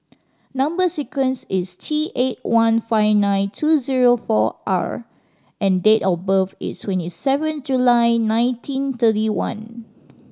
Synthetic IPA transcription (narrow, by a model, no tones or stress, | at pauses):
nãmbəsikə̃nsistʰiʔet̚wãnfaɪvnãɪ̃ntʰuziɹofɔ̰ʔa̰ɹ | ʔɛ̃ndetɔbəfḭtstʰwɛ̃ntisɛvə̃nd͡ʒulajnãɪ̃ntʰĩnt̪ətiwã̰n